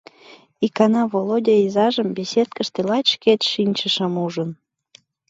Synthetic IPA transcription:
ikɑnɑvolodʲeizɑʒəmbesʲet̪̚kəʃt̪elɑt̪ʲʃket̪ʃinʲt͡ɕəʃəmuʒən

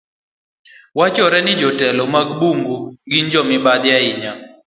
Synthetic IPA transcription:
wat͡ʃɔɾɛnɪd͡ʒɔtɛlɔmaɡbuŋɡuŋɡiɲd͡ʒɔmɪbad̪jaɪɲa

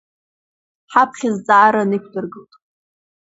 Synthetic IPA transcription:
ħapʰχʲɪzt͡sʼaːɾanɨkʷʰdɨrɡɨltʼ

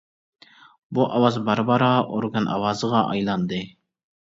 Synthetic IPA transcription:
buʔɑwɑzbɑɾbɑɾɑːʔoɾɡanʔɑ̰wɑːzʁɑʔɑ̰jlɑnd̪ɪ

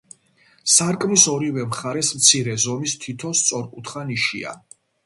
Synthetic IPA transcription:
saɾkʼmisɔɾivɛmχaɾɛsmt̪sʰiɾɛzɔmist̪ʰit̪ʰɔst̪sʼɔɾkʼut̪ʰχaniʃia̰

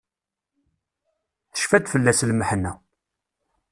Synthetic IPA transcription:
θə̥ʃfæd̪fəlːæslməħnːæ

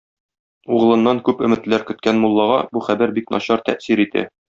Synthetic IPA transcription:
uʁɤ̆lˠɤ̆nːɑŋkʉpɵ̆mɘ̆t̪læɾkɵ̆t̪̚kænmulˠːɑʁɑbuχæbæɾbiknʔɒ̰ɕɑɾt̪æ̰ʔsiɾit̪ʰæ̰

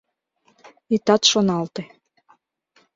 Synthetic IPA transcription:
it̪ɑt̪ʃonɑlt̪e

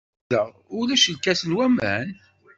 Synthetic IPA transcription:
ə | ʊlæʃəlkæsəlwæmæ̰n

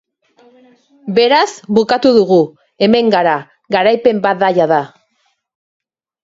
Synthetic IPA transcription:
be̞ɾazbukat̪uðuɣu | e̞me̞ŋɡaɾa | ɣaɾajpe̞mbat̪ðajaða

